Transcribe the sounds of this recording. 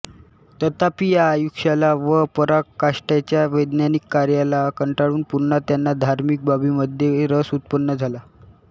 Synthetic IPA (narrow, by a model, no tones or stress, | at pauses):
t̪ət̪apijaːjukʂalaʋəpəɾakaʂʈjat͡ɕjaʋəjd̪nanikːaɾjalakəɳʈaɽuːnpuɾɳat̪janːad̪ʱaɾmik̚babiːməd̪ʱjeɾəsut̪̚pənːəd͡zʱala